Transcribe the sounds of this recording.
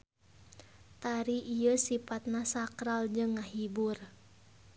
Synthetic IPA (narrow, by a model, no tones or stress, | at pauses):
t̪aɾiʔijəsipat̪̚nasakɾald͡ʒɨŋːaɦibur